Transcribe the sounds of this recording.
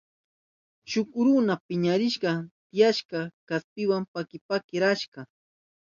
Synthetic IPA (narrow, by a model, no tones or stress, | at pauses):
ʃʊkɾʊnapɪɲaɾɪʃɢɑt̪ɪjaʃkɑkaspɪwampakɪpakɪɾaʃɢɑ